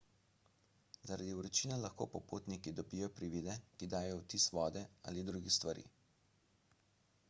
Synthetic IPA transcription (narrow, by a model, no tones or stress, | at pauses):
zaɾa̰d̪iwɾɛt͡ʃiːnalaxko̰pɔpoːt̪nikid̪ɔbijɔpɾiʋid̪ɛkid̪aːjɔwt̪isʋɔːd̪ɛa̰ːlid̪ɾuɡixst̪ʋaɾḭː